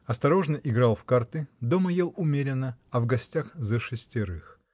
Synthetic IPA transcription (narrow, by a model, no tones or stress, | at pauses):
ɐst̪ɐɾo̞ʐnəʔɪɡɾɑlˠfkart̪ɨd̪o̞məjelˠʊmʲeɾʲɪnːəɐvɡɐsʲtʲaxzəʂɨsʲtʲɪɾɨx